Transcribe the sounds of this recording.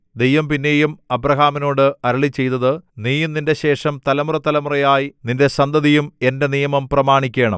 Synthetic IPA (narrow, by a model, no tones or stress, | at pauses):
d̪e̞jʋɐmpinːe̞ːjumɐbrɐɦaːmino̞ːɽɨɐɾɐɭit͡ɕːe̞jt̪ːɐðɨniːjumninde̞ɕe̞ːʂɐmt̪ɐlɐmurɐt̪ːɐlɐmurɐjaːjininde̞sɐnd̪ɐðijume̞nde̞nijɐmɐmprɐmaːɳikʲːe̞ːɳɐ̰m